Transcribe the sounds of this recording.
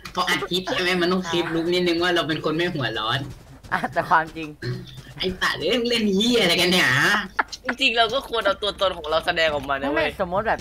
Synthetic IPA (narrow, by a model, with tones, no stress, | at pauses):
pʰɔ˧˦˥ʔaː˨˩t̪̚kʰi˦˥p̚kʰi˧ɛ˧˩mʔɛː˥˩ma˧nt̪ɔ˥˩ŋsi˦˥p̚luː˦˥p̚ni˦˥t̪̚nɯ˧ŋwaː˥˩ɾa˧wp̬e˧nkʰo˧nmɛː˥˩ɦu˩˦ɐlɔː˦˥n | ʔa˧˩t̪ɛː˨˩kʰwaː˧mt͡ɕi˧ŋʔa˧˩jsa̰˨˩lɯ˨˦e˥˩ŋle˥˩njiː˥˩ʔa˧ɾa˧jka˧nː˧˩a˦˥t͡ɕi˧ŋt͡ɕi˧ŋɾa˧wkɔː˥˩kʰu˧ənʔa˧wt̪u˧ət̪o˧nkʰɔː˨˩˦ŋɾa˧wsa˧dɛː˧ŋʔɔ˨˩k̚maː˧nɯ˦˥˦ɾaː˧˥˩jsɔ˨˩mo˦˥t̪̚bɛː˨˩